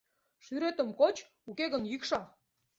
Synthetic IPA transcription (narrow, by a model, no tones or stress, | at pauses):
ʃyɾet̪ə̆mkot͡ɕ | ukeɣənjykʃɑ